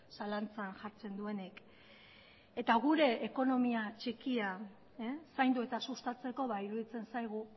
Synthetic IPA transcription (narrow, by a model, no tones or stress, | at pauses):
salant͡sanʝaɾt͡se̞nd̪ue̞nek | e̞t̪aɣ̞uɾe̞ːko̞no̞miat͡ʃe̞kia | sajnd̪ue̞t̪asust̪at͡se̞ko̞βaiɾuðit͡se̞nsajɣ̞u